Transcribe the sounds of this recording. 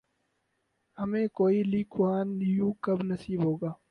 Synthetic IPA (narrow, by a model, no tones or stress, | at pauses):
hɐmẽːkoːilikʰwaːnjũːkɐbnɐsiːbɦoːɡaː